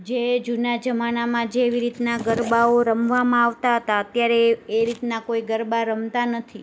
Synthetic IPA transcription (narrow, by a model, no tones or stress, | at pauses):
d͡ʒed͡ʒunad͡ʒəmanamãd͡ʒeːʋiɾit̪naɡəɾbaoɾəmʋamãaʋt̪aɦət̪aət̪jaɾeːɾit̪nakoiɡəɾbaɾəmt̪anət̪ʰi